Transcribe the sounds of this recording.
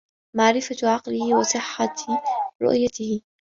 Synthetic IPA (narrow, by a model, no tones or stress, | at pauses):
maʕɾɪfaʕɑqlɪhɪwɑsˤɨħːat̪ɾʊ̰ʔjat̪ɪhɪ